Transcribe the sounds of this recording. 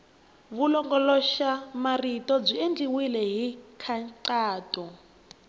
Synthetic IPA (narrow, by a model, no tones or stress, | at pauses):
βulɔŋɡɔlɔʃamaritɔb͡ʐiend͡ɮiwilɛɦikʰaǀaːtʼɔ